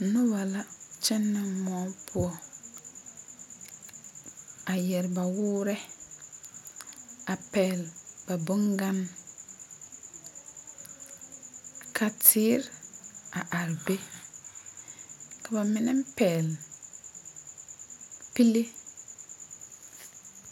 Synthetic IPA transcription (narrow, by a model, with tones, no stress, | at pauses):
nʊ˦ba˨la˦t͡ʃɪ˦nːɪ˦mɔ˨˦pʰʊ˦ɔ˦ | a˨jɛ˨ɾɪ˨ba˨wʊː˦ɾɛ˦ | a˨pɛː˨lba˨bʊ˦ŋɡa˦n | kʰa˨tʰiː˦ɾa˨ʔa˨ɾbe˦ | ka˨ba˨mɪ˦nɛ˦m˦pɛː˨l | pi˦le˦